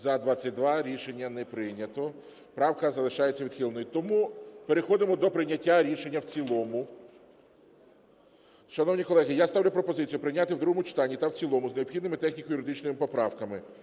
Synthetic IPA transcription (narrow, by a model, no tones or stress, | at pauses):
zɐd̪ʋɑt͡sʲːɐt̚ʲd̪ʋɑɾʲiʃe̞nʲːɐnɛpɾɪjnʲːɐt̪ɔ | pɾɑwkɐzɐlˠɪʃɑjet͡sʲːɐʋʲid̪̥xʲilˠnɔjit̪ɔmupeɾexɔd̪ɪmɔd̪ɔpɾɪjnʲɐtʲːaɾʲiʃe̞nʲːɐwt͡sʲilˠɔmʊ | ʃɐnɔwnʲikɔlˠɛɦijast̪ɑwlʲʊpɾɔpɔzɪt͡sʲijʊpɾɪnʲat̪ɪwd̪ɾuɦɔmʊt͡ʃɪ̥t̪ɑnʲːit̪ɐwt͡sʲilˠɔmʊzneɔbxʲid̪nɪmɪt̪ɛxnʲikɔjʊɾɪd̪ɪt͡ʃnɔjɪmɪpɔpɾɑwkɐmɪ